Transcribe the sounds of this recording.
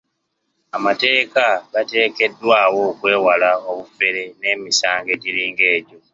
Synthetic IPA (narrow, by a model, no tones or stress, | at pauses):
amate̞ːkaɡate̞ːke̞dːwaːwo̞kwe̞ːwalao̞βufe̞ɾe̞ne̞ːmisaːŋɡe̞ɟiɾiːŋɡe̞ːɟo̞